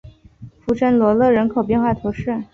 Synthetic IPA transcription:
fu˥ʈ͡ʂə˥nlwɔ˧˥lɤ˥˩ɻə˧˥nkʰo˨˩ʊpjɛ˥˧nxwa˥˩t̪ʰu˧˥ʂɻ̩˥˩

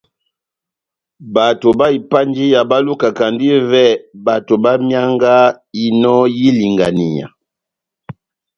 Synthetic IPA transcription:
ba˨to˨ba˦i˨pa˦nd͡ʒi˦ja˨ba˦lu˦ka˨ka˨ndi˦vɛ˦˨ba˨to˨ba˦mja˦ŋɡa˦ | i˨nɔ˦ji˦li˨ŋɡa˨ni˨ɲa̰˨

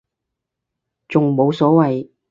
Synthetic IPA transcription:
t͡sʊ˨ŋmo˨˧wsɔː˨˥wɐ˨j

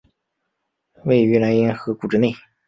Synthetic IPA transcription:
we˥˩ɪy˧˥la˧˥ni˥nxɤ˧˥ku˨˩ʈ͡ʂɻ̩˥˧ne˥˩ɪ

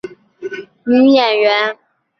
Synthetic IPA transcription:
m̩˧˦jɛ˨˩nɥɛ˨˦n

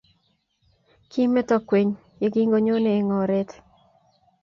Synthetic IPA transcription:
ki˦mɛ˦t̪ɔ˦kwe˨ɲ | je˨˦ɡi˦ŋɡo˦ɲo˦ne˨e˨ŋɔ˨ɾe˦t̪

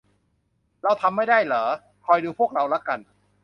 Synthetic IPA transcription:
ɾa˧wt̪ʰa˧mːa˥˩jdaː˥˩jlɤː˩˦ | kʰɔː˧jduː˧pʰu˥˩ək̚ɾa˧wla˦˥ka˧n

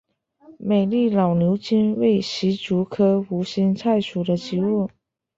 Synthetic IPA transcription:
me˨˩ɪli˥˩lɑ˨˩ʊnjo˧˥ʊt͡ɕi˥nwe˥˩ɪɕi˧˥ʈ͡ʂu˧˥kʰɤ˥u˧˥ɕi˥nt͡sʰa˥˩ɪʂʰu˨˩d̪ə˦t͡ɕi˧˥u˥˩

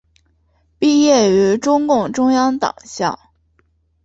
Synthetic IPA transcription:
pi˥˧jɛ˥˩y˧˥ʈ͡ʂʊ˥ŋkʊ˥˩ŋʈ͡ʂʊ˥ŋjɑ˥ŋt̪ɑ̰˨˩˦ŋɕjɑ̰˥˩

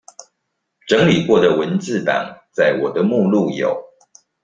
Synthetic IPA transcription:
ʈ͡ʂɤ˧˦ŋli˨˩kwɔ˥˨d̪ə˩wə˨˦nt͡sɹ̩˥˨t̪ɑ̰˨˩ŋt͡sa˥˩ɪwɔ˨˩d̪ə˦mu˥˧lu˥˨jo˨˩˦ʊ

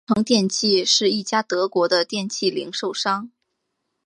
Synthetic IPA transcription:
ɤ˧˥ŋt̪jɛ˥˧nt͡ɕʰi˥˩ʂɻ̩˥˧i˥˩t͡ɕja˥t̪ɤ˧˥kwɔ˧˥d̪ə˧t̪jɛ˥˧nt͡ɕʰi˥˩li˧˥ŋʂo˥˩ʊʂɑ˥ŋ

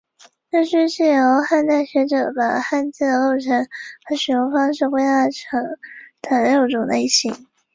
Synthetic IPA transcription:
ʈ͡ʂɤ˥˧ʂɻ̩˥˧ʂɻ̩˥˩jo˧˥ʊxa˥˧nt̪a˥˩ɪɕɥɛ˧˥ʈ͡ʂɤ˨˩pa˨˩xa˥˧nt͡s̩˥˩d̪ə˧lo˥˩ʊʈ͡ʂʰə˧˥nxa˧˥ʂɻ̩˨˩o˥ŋfɑ˥ŋʂ̬ɻ̩˥˧xwe˥˧ɪt̪a˥˩ʈ͡ʂʰɤ˧˥ŋt̪ʰa˧˥nə˧˥jo˧˩ʊʈ͡ʂʊ˨˩ŋne˧˥i˥˩ɕi˧˥˦ŋ

